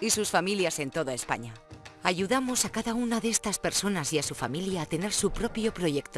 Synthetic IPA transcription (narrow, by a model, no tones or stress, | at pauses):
isusfamiljase̞nt̪o̞ðaespa̰ɲaaʝuðamo̞sakaðaunaðeest̪aspe̞ɾso̞nasiasufamiljaːt̪e̞neɾsupɾo̞pjo̞pɾo̞ʝe̞kt̪o